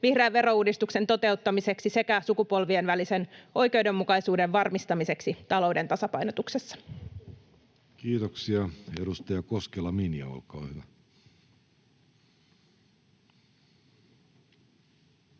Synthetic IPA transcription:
ʋihreːʋʋe̞ɾo̞uːdist̪ukse̞nt̪o̞t̪e̞ut̪ːɑmise̞ksise̞kæsukupo̞lʋienʋæliseno̞jke̞wde̞mːukɑjsuːde̞ʋʋɑrmist̪ɑmise̞ksit̪ɑlo̞wde̞nt̪ɑsɑpɑjno̞t̪uksesːɑ̥ | kiːt̪oksiɑedust̪ɑjɑkoskelːɑminiɑ̰o̰lkɑːhyʋæ

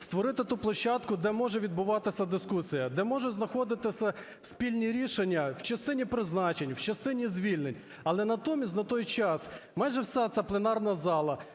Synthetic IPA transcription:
st̪ʋɔɾɪt̪ɪt̪uplˠɐʃːɑt̪kʊd̪ɛmɔʒɛʋʲid̪bʊʋɑt̪ɪsʲɐd̪ɪskusʲijɐd̪ɛmɔʒɛznɐxɔd̪ɪt̪ɪsʲɐ | wsʲpʲilʲnʲiɾʲiʃenʲːɐwt͡ʃɐst̪ɪnʲipɾɪznɑt͡ʃenʲwt͡ʃɐst̪ɪnʲizʲʋʲilʲnenʲ | ɐlˠɛnɐt̪ɔmʲisʲt̪ʲnɐt̪ɔjt͡ʃɑsmɑjʒɛwsɛt̪sʲaplˠenɑrnɐzɑlˠɐ

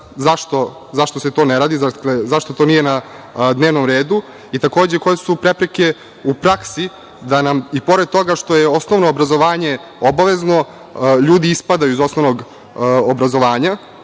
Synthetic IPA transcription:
zaʂt̪o̞ | zaʂt̪ose̞t̪o̞neɾaːd̪izaklezaʂt̪ot̪o̞ːnijena | d̪ne̞ːʋnomɾeːd̪u | it̪ako̞ːd͡ʑeko̞jesupɾepɾeke̞ | upɾaksi | d̪anamipo̞ɾed̪̚t̪o̞ɡaʂt̪o̞jeo̞snoʋnoːbɾazoʋaːɲe̞ | obaʋe̞zno̞ | ʎuːd̪iispad̪ajuizo̞snoʋnoɡ | obɾazo̞ʋaːɲa

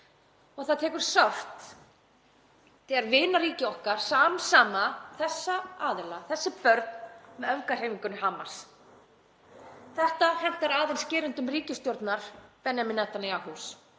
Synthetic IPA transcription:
ɔɣθaðt̪ʰɛːkʏɾ̥saft̪ | θɛɛɾvɪːnaɾiːcɪɔhkaɾ̥saːmsaːmaθɛsːaaːðɪlaθɛsːɪpœɾt̪nmɛðœvkar̥eːjmiŋkʏnʏɦaːmaɾ̥s | θɛht̪ahɛn̥t̪aɾaːðejnscɪːɾʏnt̪ʏmriːcʏst̪joɾt̪naɾ̥pɛnjamɪnɛt̪anajahus

